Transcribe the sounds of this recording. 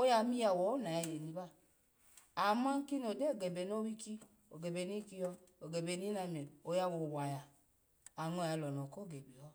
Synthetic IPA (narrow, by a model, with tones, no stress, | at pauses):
o˦ja˧˦mi˦ja˨wɔ˨˦na˨ja˧˨je˨ni˨˧ba˦˨ | a˨ma˦ŋ˦ki˦n˨o˨de˦˨ɡe˨be˨˦n˦o˦wi˦ki˦ | o˨ɡe˨be˨ni˦ki˧jɔ˧o˨ɡe˨be˧ni˦na˧me˨o˧ja˧wo˨wa˨ja˨ | a˨ŋo˧˦˨ja˧˨lɔ˨nɔ˨ko˦˨ɡe˨bi˨ɔ˦